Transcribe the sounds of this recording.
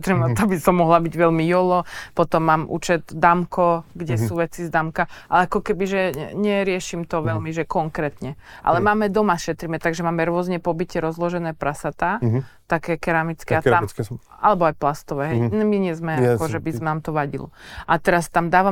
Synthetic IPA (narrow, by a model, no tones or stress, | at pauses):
t̪ɾimat̪abisɔmːɔɦlabiɟʋɛlmijɔlɔpɔt̪ɔmːaːmʔṵːt͡ʃɛd̪d̪amkɔɡɟɛsuːʋɛt͡sizd̪amkaʔalɛakɔkɛbiʒɛɲɛɾɪɛʃimt̪ɔʋɛlmiʒɛkɔŋkɾɛːt̪ɲɛʔa̰lɛmaːmɛd̪ɔmaʃɛt̪ɾiːmɛt̪aɡʒɛmaːmɛɾʊɔzɲɛpɔbicɪɛɾɔzlɔʒɛnɛːpɾasat̪aːt̪akɛːkɛɾamit͡skɛaam | a̰lɛbɔajplast̪ɔʋɛːɦɛjnmiɲɛzmɛakɔʒɛbisznaːmt̪ɔʋaɟḭlɔ̰ʔat̪ɛɾast̪amd̪aːʋa